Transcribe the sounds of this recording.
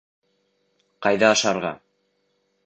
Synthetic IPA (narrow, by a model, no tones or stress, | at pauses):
qɑjðɑːʃɑɾʁɑ̰